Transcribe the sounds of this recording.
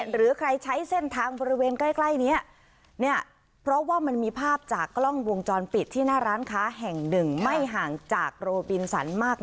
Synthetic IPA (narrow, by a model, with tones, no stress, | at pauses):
ɾɯː˩˦kʰɾa˧jt͡ɕʰa˦˥jse˥˩nt̪ʰaː˧ŋbɔː˧ɾi˦˥weː˧nka˥˩jkla˥˩jni˦˥ɐ | ni˥˩ɐ | pʰɾɔ˦˥waː˥˩ma˧nmiː˧pʰaː˥˩p̚t͡ɕaː˨˩kːlɔ˥˩ŋwo˧ŋt͡ɕɔː˧npi˨˩t̪ʰːiː˥˩naː˥˩ɾaː˦˥nkʰaː˦˥ɦɛ˨˩ŋnɯ˨˩ŋma˥˩jɦaː˨˩ŋt͡ɕaː˨˩k̚ɾoː˧bi˧nsa̰˩˦nmaː˥˩k̚